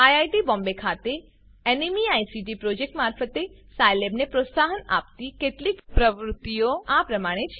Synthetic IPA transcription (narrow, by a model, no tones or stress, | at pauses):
ajajʈibɔ̃mbekʰat̪e | enimiajsiʈipɾod͡ʒek̚ʈmaːɾfət̪e | sajlebnepɾot̪saɦəna̰pt̪ikeʈlikpɾəʋɾʊt̪ːijoapɾəmaɽ̃et͡ʃʰ